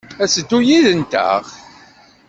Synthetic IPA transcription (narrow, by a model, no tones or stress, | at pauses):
æsəd̪ːujiðənt̪æ̰ʁ